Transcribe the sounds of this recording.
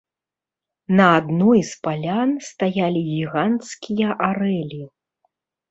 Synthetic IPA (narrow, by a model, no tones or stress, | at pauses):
nɐad̪nɔjspalʲanst̪ajalʲiɣʲiɣant̪skʲijɐʔaɾɛlʲi